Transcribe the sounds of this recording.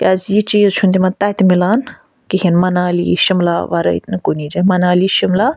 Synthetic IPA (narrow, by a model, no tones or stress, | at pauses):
kʲɐzjit͡ʃiːzt͡ʃʰund̪imɐ̃t̪at̪milaːn | kiɦinmɐnaːlḭʃimlaːʋɐ̰ɾɐ̰ḭt̪nɨkunid͡ʒamɐnaːliʃimlaː